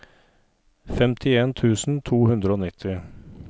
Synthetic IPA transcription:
fɛmt̪ʰɪeːnt̪ʰʉːsn̩t̪ʰuːhʉnd̪ɾəoːnɪt̪ʰːɪ

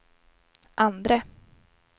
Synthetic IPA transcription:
ʔand̪ɾə

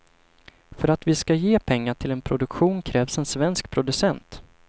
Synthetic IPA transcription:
fœɾat̪vɪskajeːpʰɛŋːaʈʰɪlɛnpʰɾʊd̪ɵkɧuːnkʰɾɛːvsɛnsvɛnsk̚pʰɾʊd̪ɵsɛnt̪

